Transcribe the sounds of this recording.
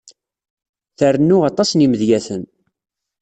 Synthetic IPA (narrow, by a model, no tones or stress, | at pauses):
θərənːʊʁɑt̪ˤɑsniməðjæθən